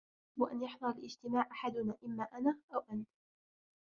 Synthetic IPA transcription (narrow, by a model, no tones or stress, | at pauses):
waʔanjaħnʊɾˤalʔɪd͡ʒt̪ɪmaːʕʔaħad̪ʊnaːʔɪmːaːʔanaːʔawʔant̪